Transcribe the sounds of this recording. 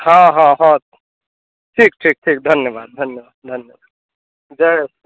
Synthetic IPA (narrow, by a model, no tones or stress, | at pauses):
ɦãɦãɦãt̪ | ʈʰiːk̚ʈʰiːk̚ʈʰiːk̚d̪ʱɐnjəʋaːd̪̚d̪ʱɐnjəʋaːd̪̚d̪ʱɐnjəʋaːd̪ | d͡ʒes